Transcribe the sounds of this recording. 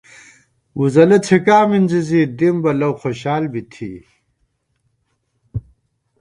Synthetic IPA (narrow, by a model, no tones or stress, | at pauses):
uzɐlɐt͡sʰikaːminzizid̪imbɐlɐwxoɕaːlbit̪ʰḭ